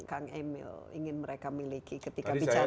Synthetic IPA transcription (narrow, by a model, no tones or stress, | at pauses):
kaŋemɪ̰lḭŋɪnməɾekamilikikət̪ikabit͡ʃa